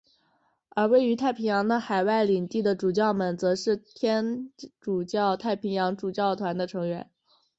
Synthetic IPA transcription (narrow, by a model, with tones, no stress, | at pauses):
ə˞˧˥we˥˩ɪy˧˥t̪ʰa˥˩ɪpʰi˧˥ŋjɑ˧˥ŋd̪ə˧xa˨˩ɪwa˥˩ɪli˨˩ŋt̪i˥˩d̪ə˩ʈ͡ʂu˨˩t͡ɕjɑ˥˩ʊmə˧˩nt͡sɤ˧˥ʂɻ̩˥˩t̪ʰjɛ˥nʈ͡ʂu˨˩t͡ɕjɑ˥˧ʊt̪ʰa˥˩ɪpʰi˧˥ŋjɑ˧˥ŋʈ͡ʂu˨˩t͡ɕjɑ˥˩ʊt̪ʰwa˧˥nd̪ə˧ʈ͡ʂʰɤ˧˥ŋɥɛ˧˥n